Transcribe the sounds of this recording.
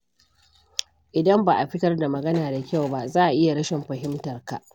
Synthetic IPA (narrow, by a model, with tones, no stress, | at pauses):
ʔɪ˨dɐ˦mbaː˨ʔa˨ɸɪ˦tɐ˦rda˨mɐ˨ɡɐ˦naː˨da˨kʲa˦˨wba˦ʔzaː˦ʔa˨ʔɪ˦ja˨ɽɐ˦ʃɪ˨mɸɐ˨ɦɪ˦mtɐ˨rka˨ʔ